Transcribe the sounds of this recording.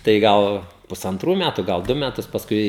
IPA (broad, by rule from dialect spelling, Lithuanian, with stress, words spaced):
tɐɪ ˈɡɐlˠ pʊsɐnˈtruː ˈmʲætʊ ˈɡɐlˠ ˈdʊ mʲɛˈtʊs pɐsˈkʊɪ